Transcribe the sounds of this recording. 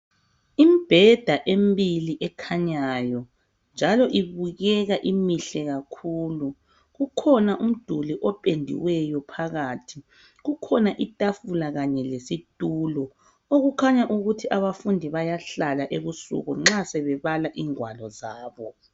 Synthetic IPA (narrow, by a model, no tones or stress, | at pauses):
imib̥ʱɛd̥ʱaʔembiliʔɛkʰaɲajɔ | nd͡ʒʱalɔʔiβuɣɛɣaʔimiɬɛɣakʰuːlu | ɣukʰɔnaʔum̩d̥ʱuliʔɔpʼendʱḭwɛjɔpʰaɣaːtʰi | ɣukʰɔnaʔitʼafulaɣaɲɛlesitʼulɔ | oɣukʰaɲaʔuɣutʰiʔaβafundʱiβajaɬalaʔeβusṵɣuŋ͡ǁasɛβɛβalaʔiːŋwalɔzaːβɔ